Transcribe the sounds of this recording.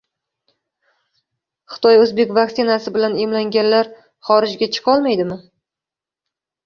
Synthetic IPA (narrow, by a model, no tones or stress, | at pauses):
χɨ̥t̪ʰɒjɵzbekʲvakʲt̪sɪnasɪbɪlanemlaŋɡʲanlaɾ | χɒɾɪd͡ʒɡʲat͡ʃʰɨ̥qʰɒlˠmajd̪ɪmɪ